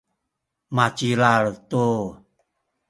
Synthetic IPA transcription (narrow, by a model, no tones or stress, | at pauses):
mat͡ʃilaɭt̪u